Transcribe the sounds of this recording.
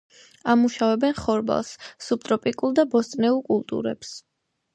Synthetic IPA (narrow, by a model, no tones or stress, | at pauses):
amuʃavɛbɛnχɔɾba̰lˠsːup̚t̪ʼɾɔpʼikʼulˠd̪abɔst̪ʼnɛulˠkʼulˠt̪ʼṵɾɛ̰ps